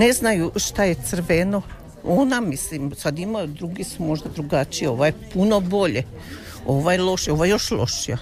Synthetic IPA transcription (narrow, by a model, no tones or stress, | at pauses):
neznajuʃt̪ajet̪sr̩ʋeno | o̞namislimsad̪imad̪ɾuɡisumo̞ʒd̪ad̪ɾuɡat͡ʃijeo̞ʋajepuno̞bo̞ʎe | o̞ʋajelˠo̞ʃeoʋajejo̞ʃlo̞̰ʃija